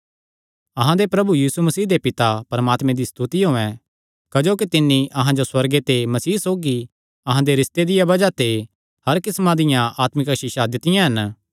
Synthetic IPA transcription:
ɐɦãd̪epɾɐbujiːsumɐsiːd̪epɪt̪apɐɾɐmaːt̪mẽd̪ist̪ut̪iɦoːɛ̃ | kɐd͡ʒoːkit̪ɪnːiʔɐɦãd͡ʒoswɐɾɡet̪emɐsiːsoːɡi | ɐɦãd̪eɾɪst̪ed̪ɪjabɐd͡ʒat̪e | hɐɾkɪsmãd̪ɪjãʔaːt̪mɪkʃɪʃad̪ɪt̪ɪjãɦɐn

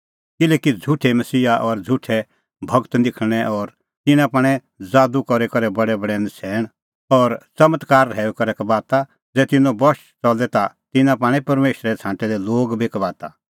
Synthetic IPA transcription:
kɪlɛːkid͡zʱʊʈʰɛmɐsiːaʔɔɾd͡zʱʊʈʰɛ | bʱɐɡt̪d̪ɪkʰɽ̃ɛʔɔːɾ | t̪ɪnãp̬aːɽ̃ɛ | d͡zaːd̪ukɔɾɛkɐɾɛbɐɽɛbɐɽɛnɪsʰɛːɽ̃ | ɔːɾt͡sɐmət̪kaːɾɦɛːukɐɾɛkbaːt̪a | d͡zɛːt̪ɪnõbɔʃ | t͡sɔld̪ɛt̪a | t̪ɪnãp̬ãːɽ̃ɛ̃pɐɾmeːʃɾɛt͡sʰãːʈɛd̪ɛloːɡbʱikbaːt̪a

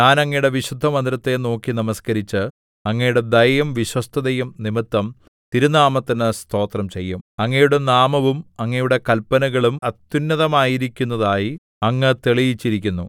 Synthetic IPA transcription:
ɲaːnɐŋːɐjuɽe̞ʋiɕud̪ʱːɐmɐnd̪ɾɐt̪ːe̞no̞ːkːinɐmɐskɐɾit͡ɕːɨ | ɐŋːɐjuɽe̞d̪ɐjɐmʋiɕwɐst̪ʰɐðɐjumnimit̪ːɐm | t̪iɾunaːmɐt̪ːinɨst̪ʰo̞ːt̪rɐmt͡ɕe̞jːumɐŋːɐjuɽe̞naːmɐʋumɐŋːɐjuɽe̞kɐlpːɐnɐɣɐɭumɐt̪ːjunːɐðɐmaːjiɾikʲːunːɐðaːji | ɐŋːɨt̪eɭijit͡ɕːiɾikʲːunːu

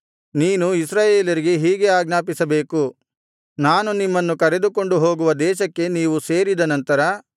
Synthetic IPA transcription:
niːnuisɾaːje̞ːlɐɾiɡe̞ɦiːɡe̞aːɡnaːpisɐbe̞ːku | naːnunimːɐnːukɐɾe̞d̪uko̞ɳɖuɦo̞ːɡuʋɐd̪ɛːʃɐkːe̞niːʋuse̞ːɾid̪ɐnɐnt̪ɐɾɐ

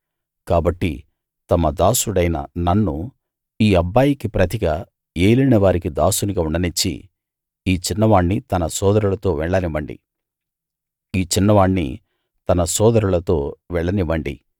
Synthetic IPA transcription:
kaːbɐʈːḭ | t̪ɐmɐd̪aːsuɽɐjnɐ̰nɐnːu | iːɐbːaːjikipɾɐt̪iɡɐ | eːlɐjnɐʋaːɾikid̪aːsuniɡɐuɳɐnit͡ʃːḭ | iːt͡ʃinːɐʋaːɳːit̪ɐnɐsɔːd̪ɐɾulɐt̪o̞ːʋɛɭːɐniʋɐɳɖḭ | iːt͡ʃinːɐʋaːɳːḭ | t̪ɐnɐsɔːd̪ɐɾulɐt̪o̞ːʋɛɭːɐniʋɐɳɖḭ

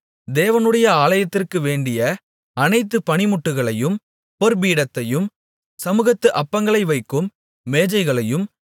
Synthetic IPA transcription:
d̪eːʋɐnɯɽɐjɐaːlɐjɐt̪ːɪrkɯʋeːɳɖɪjɐ | ɐnɐɪt̪̬ːɯpɐnɪmʊʈːɯɣɐɭɐjɯm | pɔɾbiːɽɐt̪ːɐjɯm | sɐmɯɣɐt̪ːɯʔɐpːɐŋɡɐɭɐɪʋɐɪkːɯmː | eːd͡ʒɐɪɣɐɭɐjɯm

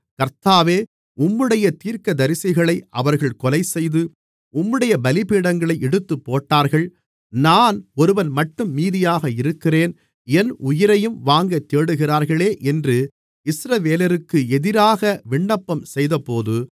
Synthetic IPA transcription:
kɐɾt̪aːʋeː | ʊmːɯɽɐjɐt̪iːɾkɐd̪ɐɾɪsɐɣɐɭɐɪʔɐʋɐɾɣɐɭkɔlɐɪsɛjðɯ | ʊmːɯɽɐjɐbɐlɪpiːɽɐŋɡɐɭɐɪʔɛɽɯt̪ːɯpːoːʈːaːɾɣɐɭ | naːnɔɾɯʋɐnmɐʈːɯmːiːðɪjaːɣɐɪɾɯkːɪreːn | ɛnʊjɪɾɐjɯmʋaːŋɡɐt̪ːeːɽɯɣɪraːɾɣɐɭeːʔɛndrɯ | ɪsɾɐʋeːlɐɾɯkːɯɛðɪɾaːɣɐʋɪɳːɐpːɐmsɛjðɐpoːðɯ

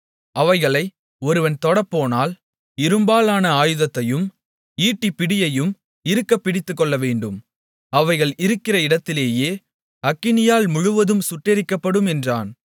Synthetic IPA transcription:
ʔɐʋɐɪɣɐɭɐɪ | ɔɾɯʋɐnt̪ɔɽɐpːoːnaːl | ɪɾɯmbaːlaːnɐaːjɯðɐt̪ːɐjɯm | iːʈːipːɪɽɪjɐjɯm | ɪɾɯkːɐpːɪɽɪt̪ːɯkːɔɭːɐʋeːɳɖɯm | ɐʋɐɪɣɐɭɪɾɯkːɪrɐɪɽɐt̪ːɪleːjeː | ɐkːɪnɪjaːlmʊɻʊʋɐðɯmsʊʈːɪɾɪkːɐpːɐɽɯmɛndraːn

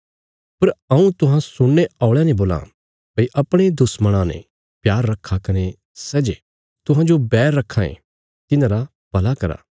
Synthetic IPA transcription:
pɐɾɐ̃ũt̪ʊɦãsʊɽːeaːʊɭɛnẽboːlã̰ | pɐiʔɐpɽ̃ed̪ʊsmɐɽ̃ãnḛ̃ | pjaːɾːɐkʰːakɐne | sɛd͡ʒe | t̪ʊɦãd͡ʒobɛːɾːɐkʰːãːḛ̃ | t̪ɪnãːɾa | pɐlakɐɾa̰ː

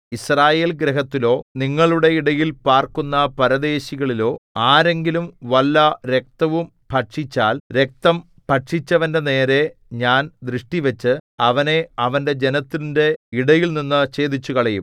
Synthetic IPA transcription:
israːje̞ːlɡɾeɦɐt̪ːilo̞ːniŋːɐɭuɽe̞iɽɐjilpaːrkunːɐpɐɾɐd̪e̞ːɕiɣɐɭilo̞ːaːɾe̞ŋɡilumʋɐlːɐɾe̞k̚t̪ɐʋum | pʰɐʈʂit͡ɕːaːlɾe̞k̚t̪ɐm | pɐʈʂit͡ɕːɐʋɐnde̞ne̞ːɾe̞ɲaːnd̪rɨʂʈiʋet͡ɕːɨɐʋɐne̞ɐʋɐnde̞d͡ʑe̞nɐt̪ːinde̞iɽɐjilninːɨt͡ɕe̞ːd̪it͡ɕːukɐɭɐjum

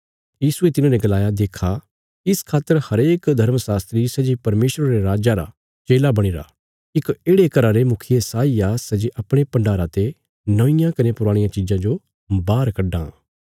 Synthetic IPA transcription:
jiːsuet̪ɪnãːneɡɐlaːjad̪eːkʰa | ɪskʰaːt̪ːəɾhɐɾeːkd̪ʱɐɾməsaːst̪ɾisɛd͡ʒipɐɾmeːʃɾaɾeɾaːd͡ʒaɾa̰ | t͡ʃeːlabɐɽ̃iɾa̰ | ɪkeːɽekɐɾaɾemʊkʰijesaːijaːsɛd͡ʒeʔɐpɽ̃epɐ̃ɳɖaːɾãt̪e | nɐʋɪ̃jãkɐnepʊɾaːɽ̃ɪjãt͡ʃid͡ʒãd͡ʒo | baːɾkɐɖːã̰ː

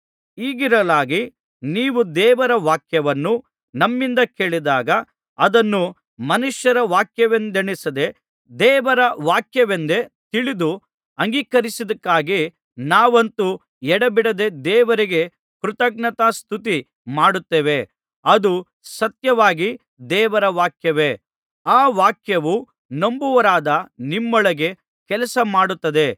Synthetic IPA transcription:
iːɡiɾɐlaːɡi | niːʋud̪ɛːʋɐɾɐʋaːkjɐʋɐnːu | nɐmːind̪ɐke̞ːɭid̪aːɡɐ | ɐd̪ɐnːu | mɐnuʂjɐɾɐʋaːkjɐʋend̪eɳisɐd̪e̞ | d̪ɛːʋɐɾɐʋaːkjɐʋend̪e̞t̪iɭid̪u | ɐŋɡiːkɐɾisid̪ɐkːaːɡi | naːʋɐnt̪u | ɛɽɐbiɽɐd̪e̞d̪ɛːʋɐɾiɡe̞ | kɾut̪ɐɡɳɐt̪ast̪ʰut̪i | maːɽut̪ːeːʋe̞ | ɐd̪u | sɐt̪jɐʋaːɡi | d̪ɛːʋɐɾɐʋaːkjɐʋe̞ | aːʋaːkjɐʋu | nɐmbuʋɐɾaːd̪ɐnimːɔɭɐɡe̞ | kɛlɐsɐmaːɽut̪ːɐd̪e̞

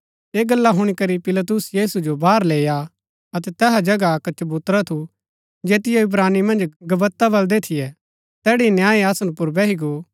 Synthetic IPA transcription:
eːɡɐlːaɦʊɽ̃ikɐɾipɪlɐt̪̬ʊsjiːsud͡ʒobʱaːɾleːja | ɐt̪̬ɛt̪ɛːɦad͡ʒɐɡakət͡ʃbʊt̪ɾat̪ʰu | d͡ʒeːt̪ɪjoʊbɾaːnimɐ̃nd͡ʒɡɐbət̪ːabɐld̪et̪ʰɪjɛ | t̪ɛːɽinjãːiasnupʊɾbɛːɦiɡo

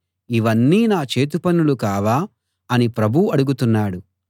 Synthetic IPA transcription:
iʋɐnːiːnaːt͡ʃeːt̪̬upɐnulukaːʋaː | ɐnipɾɐbʱuɐɽuɡut̪unːaːɽu

